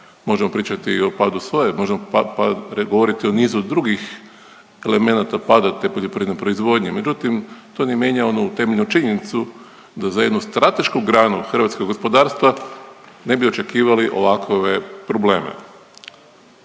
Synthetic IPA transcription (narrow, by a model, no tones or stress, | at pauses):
mo̞ʒemo̞pɾiːt͡ʃat̪io̞paːd̪usʋo̞jemo̞ʒemopaɾɡoʋo̞ɾit̪io̞niːzud̪ɾuɡix | e̞le̞me̞nat̪apad̪at̪epoʎo̞pɾinepɾo̞izʋo̞d̪ɲime̞d͡ʒut̪imt̪o̞nemje̞ɲao̞nut̪e̞meʎnut͡ʃiɲenit̪su | d̪azaje̞d̪nust̪ɾat̪e̞ʃkuɡɾaːnuxr̩ʋat̪koɡo̞spo̞d̪aːɾst̪ʋa | ne̞bio̞t͡ʃe̞kiːʋaliʔo̞̰ʋakʰʋepɾo̞ble̞̰ːmḛ